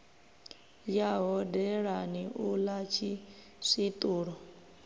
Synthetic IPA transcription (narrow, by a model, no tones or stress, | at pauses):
jaɦɔdɛɺaniʔulat͡ʃʰi | sʷit̪ʼuːɺɔ